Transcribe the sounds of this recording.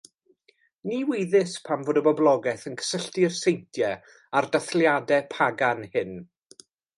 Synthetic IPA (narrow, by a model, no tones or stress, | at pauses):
niːwejðɪspʰamvoːdəbɔblˠɔɡɛθənkʰə̥səɬtɪrsejntʰjɛ | ardaθljadɛpʰaɡanhɨn